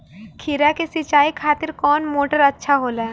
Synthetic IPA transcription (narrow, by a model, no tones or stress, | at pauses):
kʰiɾakesɪt͡ʃaːikʰaːt̪ɪɾkɔːnmoːʈəɾɐtːʃʰaɦoːlaː